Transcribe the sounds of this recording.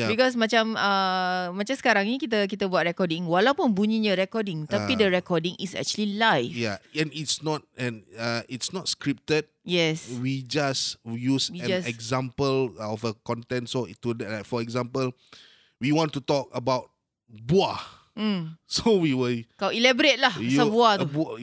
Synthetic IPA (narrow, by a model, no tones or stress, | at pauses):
jabikɔs̬mat͡ʃãməmãt͡ʃamsə̥kaɾãŋnikit̪̬ək̬it̪əbuat̚ɹɛkɔdĩŋwalawpunbuɲiɲəɾɛkɔdĩŋt̪aidəɹɛkɔdĩŋisɛ̰k̚t͡ʃuəlilajfjaɛ̃nitsnɔt̚ɛ̃naitsnɔtskɹip̚təd̚jɛswid͡ʒasjuswiɛ̃d͡ʒasɛkzãmpəlɔfəkɔ̃ntɛ̃ntsotudɛtɹatfɔɛɡzãmpəl | wiwɔ̃ntutɔk̚əbaʊt̚ | bua | m̩sowiwilkawilɛbɾet̚lahjuəbuat̪ubu